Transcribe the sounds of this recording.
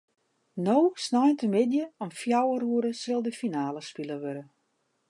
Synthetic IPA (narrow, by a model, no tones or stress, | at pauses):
nowsnɔjntəmɪdjəɔmfjawəruəɾəsɪlˠdəfinaːləspiləʋøɾə